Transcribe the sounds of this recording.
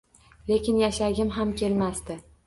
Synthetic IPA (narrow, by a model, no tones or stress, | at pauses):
le̞kʲɪnjaʃaɡʲɪmɦamkʲʰe̞lmast̪ɪ